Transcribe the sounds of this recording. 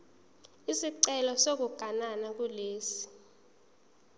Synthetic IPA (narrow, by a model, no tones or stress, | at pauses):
isiǀɛlɔsok̬uɡ̥ʱananak̬uleːsi̥